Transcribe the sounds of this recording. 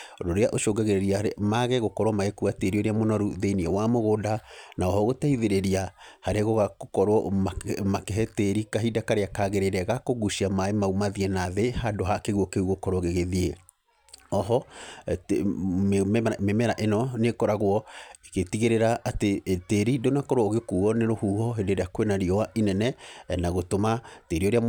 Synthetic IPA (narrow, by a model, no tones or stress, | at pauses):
ɾoɾeaʔoʃoɡɛɣeɾeɾiamaɣɛɣokɔɾwɔmaɣekuateɾioɾeamonɔɾuðeiniɛwamoɣodanaɔhɔɣotɛiðeɾeɾiahaɾeɣoɣakokɔɾwɔamakɛɦɛteɾikaɦidakaɾeakaɣeɾeɾɛɣakoɣuʃiamaemaumaðiɛnaðehadoɦakeɣwɔkeuɣokɔɾɔɣeɣeðie | ɔɦɔ | memɛɾaʔenɔnekɔɾaɣwɔeketiɣeɾeɾaʔːteteɾidonakɔɾoɣekuɔneɾohuːhɔɦedeɾeakwenaɾiɔwaʔinɛnɛnaɣotomateɾiɔoɾea